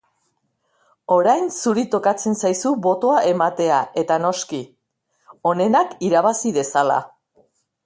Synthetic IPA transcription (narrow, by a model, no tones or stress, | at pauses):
o̞ɾajnsuɾit̪o̞kat͡se̞nsajsuβo̞t̪o̞aʔemat̪e̞aʔe̞t̪ano̞ski | o̞ne̞nakiɾaβ̞asiðe̞sala̰